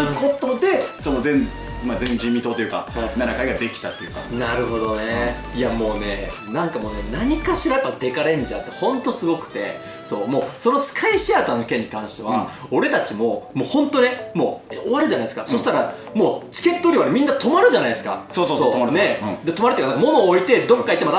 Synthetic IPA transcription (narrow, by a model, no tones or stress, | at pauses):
ɯko̞t̪o̞d̪e̞so̞nozẽ̞n | mazẽ̞ɲd͡ʑĩmʲːit̪oːt̪ojɯ̟ka̰anaɾakaiɡad̪e̞kʲi̥t̪at̪ːejɯ̟ka̰naɾɯ̟ɦo̞d̪o̞ne̞iamo̞ːne̞nãŋkamo̞ːnenaɲ̟ikaɕiɾajpːad̪e̞kaɾẽ̞ɲ̟d͡ʑa̰ːt̪ːehõ̞nt̪o̞sɨɡo̞kɯ̥t̪e̞̰ | so̞ːmo̞ːso̞no̞sɨ̥kʰaiɕiaːt̪onoke̞ɲ̟ːikãɰ̃ɕi̥t̪e̞βa | o̞ɾe̞t̪at͡ɕimo̞mo̞ːhõ̞nt̪o̞ne̞mo̞̰oβaɾɯ̟ʑanaidesɨkasoɕi̥t̪aɾa | mo̞ːt͡ɕi̥ke̞t̪ːoːɾʲiβanemʲĩnːat̪o̞maɾɯ̟ʑanaid̪esɨ̥ka̰soːsoːsoːt̪omaɾnẽd̪et̪o̞maɾɯt̪eknakamono̞ːit̪e̞d̪õ̞kːait̪ːemat̪a